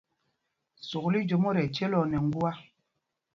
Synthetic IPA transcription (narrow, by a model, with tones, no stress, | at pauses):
so˨kli˦d͡ʒo˨mo˦ɾɛ˨t͡ʃɛ˦lɔ˨nɛ˨ŋ˦ɡu˦a˦